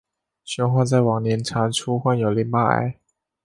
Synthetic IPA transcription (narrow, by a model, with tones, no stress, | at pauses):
ɕɔ˧˥xwa˥˧t͡sa˥˩ɪwɑ˨˩ŋnjɛ˧˥nʈ͡ʂʰa˧˥nʈ͡ʂʰu˥xwa˥˩njo˨˩ʊli˥˩˦ŋpa̰˥˩˥